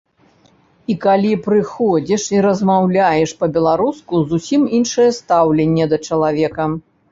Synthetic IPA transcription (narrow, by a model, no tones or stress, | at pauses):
ikalʲipɾɨxɔd͡zʲɛʂiɾɐzmawlʲajɛʂpɐbʲɛlˠaɾuskuzusʲiminʂɐjɛst̪awlʲenʲːɛd̪ɐt͡ʂɐlˠavʲɛkɐ